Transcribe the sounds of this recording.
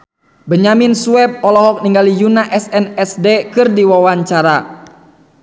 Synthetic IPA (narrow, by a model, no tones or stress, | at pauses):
bəɲamɪnsuɛp̚ɔlɔɦɔk̚niŋɡalijunaʔɛsɛnɛsdekɨrdiwawaɲt͡ʃaɾa